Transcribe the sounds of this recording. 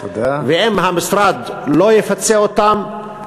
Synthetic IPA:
ad̪aveʔimhamisɾad̪lojefat͡seot̪am

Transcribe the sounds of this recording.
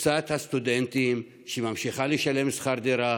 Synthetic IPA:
t͡sat̪hast̪ud̪ent̪im | ʃemamʃiχaleʃalemsχaɾd̪eɾa

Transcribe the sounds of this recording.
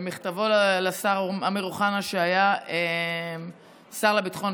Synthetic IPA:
miχt̪avollasaʁameʁuχanaʃeajaem | saʁlabit̪χo̞n

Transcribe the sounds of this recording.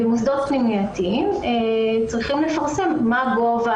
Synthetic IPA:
emusd̪ot̪̚pnimiat̪iimet͡sʁiχimle̞faʁse̞mːaɡova

